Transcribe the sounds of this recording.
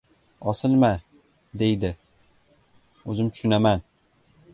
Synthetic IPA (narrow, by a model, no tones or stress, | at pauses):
ɒsɪlˠma | d̪ejd̪ɪ | ɵzɪmt̪ʰʊ̥ʃʊnaman